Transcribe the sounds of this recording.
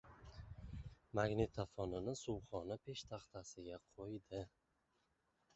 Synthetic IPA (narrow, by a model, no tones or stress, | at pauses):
maɡnet̪ʰːafɒnɪnɪsuwχɒnɪpʰe̞ʃt̪ʰaχt̪ʰasɪɡʲaqʰojd̪ɪ